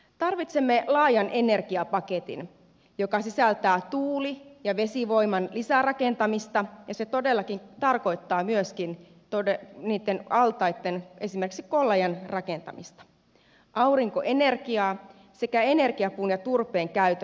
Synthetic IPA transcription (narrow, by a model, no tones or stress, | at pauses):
t̪ɑrʋit̪semːelɑːjɑnʔene̞rkiɑpɑket̪ḭn | jokɑsisælt̪æːt̪uːlijɑʋe̞siʋo̞imɑnlisærɑkent̪ɑmist̪ɑjɑset̪o̞delːɑkint̪ɑrko̞it̪ːɑːmyøskin | t̪odeniːt̪ːenɑlt̪ɑjt̪ːenesimerksikolːɑjɑnrɑkent̪ɑ̰mist̪ɑ̥ | ʔɑuwriŋkoʔenerkiɑː | se̞kæene̞rkiɑpuːnjɑt̪urpeːŋkæyt̪